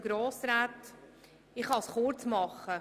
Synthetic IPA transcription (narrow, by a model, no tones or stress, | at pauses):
ɡ̥ɾoːsɾaːt | ɪχɑsχʊɾt͡smɑχə